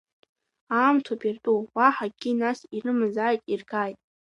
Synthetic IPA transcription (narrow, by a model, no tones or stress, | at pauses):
aːmtʰopʼertʼuwaħaɡʲinasirɨmɨzaːjtʼirɡaːjtʼ